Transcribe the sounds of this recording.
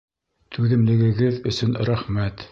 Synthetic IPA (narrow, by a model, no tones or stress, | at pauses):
t̪ʰʉðɘ̆mlɘ̆ɡɘ̆ɡɘðɵ̆sɵnɾæχmæt̪